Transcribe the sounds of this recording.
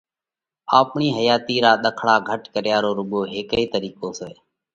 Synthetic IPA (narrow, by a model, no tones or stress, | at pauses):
aːpɳiːɦəjaːt̪iːɾaːɗ̪əkʰɽaːɡʱəʈkəɾjaːɾoːɾʊɠoːɦeːkəiːt̪əɾiːkoːsɛː